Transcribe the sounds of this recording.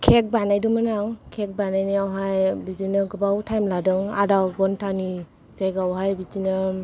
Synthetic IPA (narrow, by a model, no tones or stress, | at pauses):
kʰek̚banajdumɯnawkʰɛk̚banajniawɦajbid͡ʒinɯɡɯbawtʰajmladɯŋa̰dawɡɔntʰani | z̥ajɡawɦajbid͡ʒinɯ